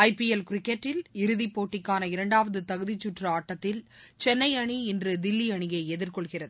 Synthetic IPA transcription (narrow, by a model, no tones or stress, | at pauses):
ɐɪpiɛlkɾɪkːɛʈːɪlɪɾɯðipːoːʈːɪkːaːnɐɪɾɐɳɖaːʋɐðɯt̪ɐɣɯðɪt͡ʃːʊʈrɐaːʈːɐt̪ːɪlt͡ʃɛnːɐɪɐɳiɪndrɯd̪ɪlːiɐɳɪjɐɪɛðɪɾkɔɭɣɪrɐðɯ